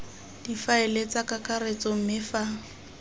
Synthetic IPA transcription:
d̥ifaelet͡sakakaret͡sʼɔm̩mɪfa

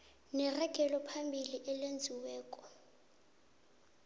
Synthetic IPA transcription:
nɛrɛɡ̥ʱɛlɔpʰambʱiliʔɛlend͡zʱiwɛːkʼɔ

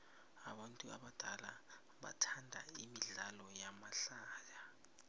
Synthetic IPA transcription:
aɓantʼuaɓad̥ʱala | ɓa̰tʰandʱa̰imiɮalɔjamaɬaːja

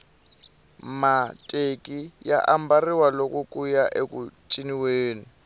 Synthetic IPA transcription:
matʼekʼijaʔambariwalokʼukʼujaʔekʼut͡ʃʼiniweːni

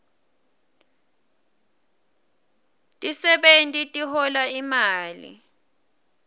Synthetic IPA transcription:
tʼisɛɓentʼitʼihɔlaimaːlḭ

